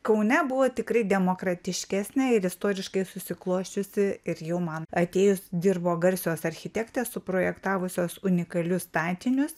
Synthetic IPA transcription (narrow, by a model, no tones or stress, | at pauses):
kɐʊnʲɛbʊʋoːt̪ʲɪkrɐɪd̪ʲɛmoːkɾɐt̪ʲɪʃʲkʲæːsʲnʲɛɪɾɪst̪oːɾʲɪʃkɐɪsʊsʲɪklˠoːʃʲt͡ʃʲʊsʲɪɪɾjɛʊmɐnɐt̪ʲeːjʊsd̪ʲɪrboːɡɐɾʲsʲɪjoːsɐɾʲxʲɪt̪ʲɛkt̪ʲɛsʊpɾoːjɛkt̪ɑːʋʊsʲoːsʊnʲɪkɐlʲʊst̪ɑːt̪ʲɪnʲʊs